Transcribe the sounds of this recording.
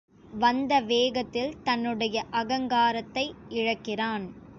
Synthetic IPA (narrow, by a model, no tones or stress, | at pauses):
ʋɐnd̪ɐʋeːɣɐt̪ːɪlt̪ɐnːɯɽɐjɐʔɐɣɐŋɡaːɾɐt̪ːɐɪɪɻɐkːɪraːn